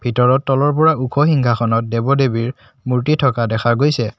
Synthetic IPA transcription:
bʱitɔɹɔtːɔlɔɹpɔɹaukʰɔxiŋkʰaxʰɔnɔt̚debɔdebiɹ | muɹtitʰɔkadɛxʰaɡojsɛ

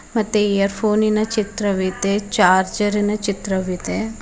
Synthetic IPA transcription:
mɐt̪ːeejəɾpʰoːninɐt͡ʃɪt̪ɾɐʋit̪et͡ʃaːɾd͡ʒɐɾinɐt͡ʃɪt̪ɾɐʋit̪e

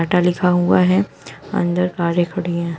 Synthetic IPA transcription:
aːʈalɪkʰaɦuaɦɛ | ɐ̰̃nd̪əɾkaːɾekʰɐɽiɛ̃ː

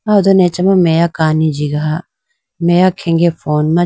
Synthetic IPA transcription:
aʊd̪onet͡ʃɐmamejakaːnid͡ʒiɡaɦa | mejakʰẽŋɡefʰoːnmã

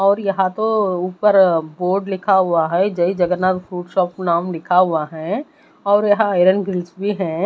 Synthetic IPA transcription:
ɔːɾjɐɦãt̪ouːpəɾboːɾɖlɪkʰaɦʊaɦɛd͡ʒɐid͡ʒɐɡənat̪fɾuːʈʃɔːpnaːmlɪkʰaɦʊaɦɛ | ɔːɾjɐɦãaɪɾənɡɾɪlsbʱiɦɛ̃ː

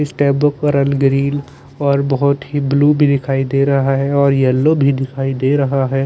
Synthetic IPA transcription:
sʈɛːbəkəɾəlɡɾiːl | ɔːɾbɐɦʊt̪ɦibluːbʱid̪ɪkʰaːid̪eːɾɐɦaɦɛɔːɾjɛlːobʱid̪ɪkʰaːid̪eːɾɐɦaɦɛː

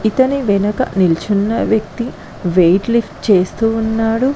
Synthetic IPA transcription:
it̪ɐniʋɛnɐkɐ̰nilt͡ʃunːɐʋjɐk̚t̪i | ʋejʈlifʈt͡ʃe̞ːst̪uːnːaːɽu

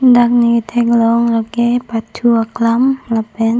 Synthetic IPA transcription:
ndak̚niit̪ʰeklɔŋlakepad̪̥ʰuaklamlab̥ɛn

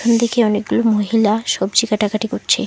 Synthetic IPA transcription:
ond̪ekeɔnek̚ɡulomoɦilaʃɔbd͡ʑikaʈakaʈikoʈːt͡ɕʰḛ

